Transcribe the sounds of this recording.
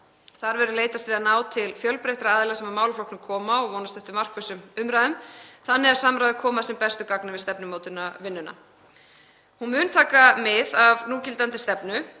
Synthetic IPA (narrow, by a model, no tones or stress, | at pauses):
θaɾvɛɾʏleːjt̪ast̪vɪðanaːwt̪ʰɪlfjœlpɾejht̪ɾaaːðlɛɣasɛmamaːwlflowknʏmkʰɔːmaɔɣvɔːnast̪ɛht̪ʏmar̥kvʏsʏmʏmɾaðʏmθanːɪasamɾajðɪkʰɔːmaðsɛmpɛst̪ʏkaknɪvɪðst̪ɛpnɪmoːwt̪ʏnːavɪnːʏna̰ | hunmʏːnt̪ʰaːkamɪðavnuːcɪlt̪ant̪ɪst̪ɛpnʏ